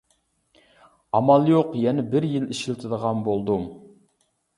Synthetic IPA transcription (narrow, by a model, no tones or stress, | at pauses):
ɑmɑlˠjoqjɛnɛbɪɾjiliʃilt̪ʰɨd̪əʁɑnbolˠd̪um